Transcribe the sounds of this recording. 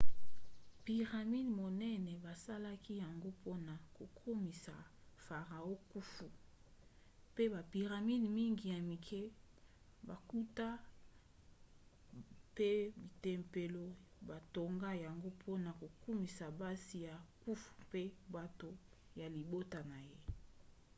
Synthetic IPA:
pi˨ʁa˨mi˦dmo˨nɛ˦nɛ˨ba˨sa˦la˦ki˦ja˨ŋɡo˦pʰo˦na˨ko˨kʰo˦mi˨sa˨fa˨ʁa˨o˦ku˦fu˨ | pe˦ba˨pi˨ʁa˨mi˦dmi˦ŋɡi˨ja˨mi˨kʰɛ˦ | ba˨ku˦ta˦ | pe˦bi˨tɛ˨mpe˨lo˦ba˨to˨ŋɡa˦ja˨ŋɡo˦pʰo˦na˨ko˨ku˦mi˨sa˨ba˦si˨ja˨ku˦fu̥˨pe˦ba˨to˨ | ja˨li˨bo˦ta˨na˨je˦

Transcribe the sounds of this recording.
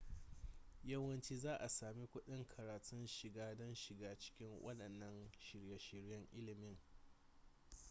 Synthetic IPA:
jɐ˦wɐ˦nt͡ʃiː˦zaː˦ʔa˨saː˨mi˦kʷʊ˦ɗɪ˦ŋkʰɐ˨ɾaː˨tʊ˦nʃɪ˨ɡaː˦dɔ˦nʃɪ˨ɡaː˦t͡ʃɪ̥˦kʲɪ˦ŋwʔɐ̰˦ɗɐ˨nːɐ˦nʃɪ˨ɾjɐ˨ʃɪ˨ɾjɐ˦ŋʔɪ˦lɪ˨mɪ˦ŋ

